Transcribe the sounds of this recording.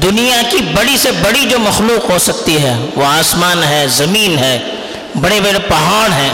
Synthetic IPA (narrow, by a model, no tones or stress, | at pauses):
d̪ʊnijakibɐɽisebɐɽid͡ʒoːmɐxluːqɦosɐk̚t̪iɦɛʋoaːsmaːnɦɛːzɐmiːnɦɛː | bɐɽebɐɽepɐɦaːɽɦɛ̃ː